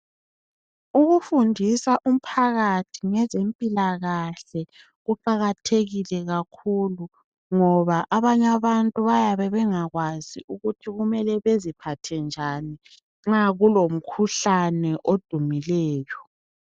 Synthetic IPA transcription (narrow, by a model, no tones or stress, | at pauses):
uɣufundʱisaʔum̩pʰaɣatʰiŋɛzempʼilaɣaɬɛ | ɣufaɣatʰeɣilɛɣakʰulu | ŋɔβaʔaβaɲaβantʼuβajaβɛβɛŋaɣwazḭʔuɣutʰiɣumɛlɛβezipʰatʰɛnd͡ʒʱani | ŋ͡ǁaɣulom̩kʰuɬanɛʔod̥ʱumilɛːjɔ